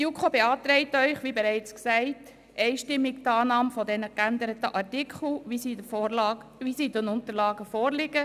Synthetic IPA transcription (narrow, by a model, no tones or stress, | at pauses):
jukχobeɑːt̪ɾɛɪtœʏχʋibɛɾɛɪt͡sksɛɪt | ɛɪʃtɪmːiɡtɑːnɑːmfɔdɛnəkænd̪əɾətəʔɑɾtɪkʰχl̩ʋisiːdəfʋisiːdənʊnt̪əɾlɑːɡəfɔːɾlɪɡ̥ə